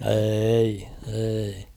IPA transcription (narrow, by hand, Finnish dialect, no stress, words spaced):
eːi eːi